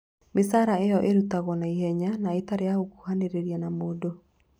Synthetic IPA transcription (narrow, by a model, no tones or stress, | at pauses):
mesaɾaejɔʔeɾutaɣɔnaihɛɲanaetaɾejaoku̥haneɾeɾiɛnamoːdo